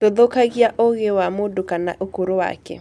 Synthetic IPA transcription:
oðokaɣjaʔoɣewamodokanaʔokoɾowa̰kɛ̰

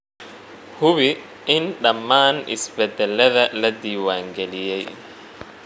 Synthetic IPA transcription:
huβi | ɪnɗamːaːnʔḭsbɛd̪ɛlɛðalad̪iːwaŋɡelijɛj̰

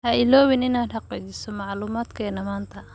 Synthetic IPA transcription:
hɐʔɪlɔːwɪnɪnaːd̪hɑqiːt͡ʃɪsɔmɑʕluːmaːd̪kʰɛːnɐmaːnt̪ʰɐ

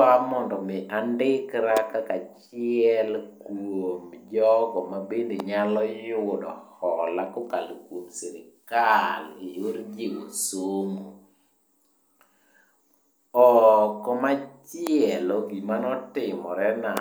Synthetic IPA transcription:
amɔndɔmɪʔandɪkɾakakat͡ʃɪɛlkwomd͡ʒɔkɔmabendeɲalɔjʊdɔhɔlakɔkalokwomsɛɾɪkalioɾd͡ʒewosomo | ɔkɔmat͡ʃɪɛlɔɡimanɔtɪmɔɾɛna

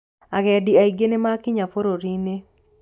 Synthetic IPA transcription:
aɣɛdiaiɡenemakɪɲafoɾoɾine

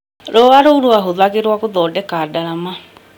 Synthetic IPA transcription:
ɾɔaɾouɾoaɦoðaɣeɾwakoðɔːdɛkaːdaɾama

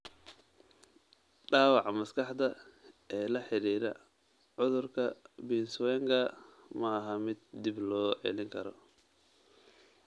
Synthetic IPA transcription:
ɖaːwɑʕmɐskʰɑħd̪ɐʔɛːlɐħɪɾiːɾɐ̰ | ʕʊðʊrkʰɐbiːnswɛːŋkʰɐ | mɐːɦɐmɪd̪̚d̪ɪblɔːʔɛ̰lɪŋkʰɐɾɔ̰

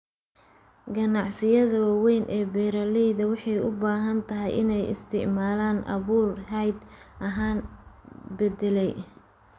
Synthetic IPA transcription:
ɡɐnɑʕsɪjɐðɐwɑwɛjnʔɛːbɛːɾɐlijðɐwɑħɑjʊbaːɦɐnt̪ʰɐɦɛjʔɪ̰nɛjɪ̰st̪ʰɪ̰ʕmaːlaːnʔɐ̰βuːrɦɛjd̪ʔɐɦaːn | bɛd̪ɛlɛj

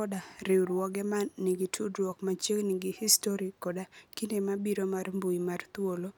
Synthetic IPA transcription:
ɔdaɾɪwɾwɔɡɛmanːiɡitʰudɾwɔkmat͡ʃjekniɡihistoɾikɔdakindemabiɾomarmbujimart̪wolo

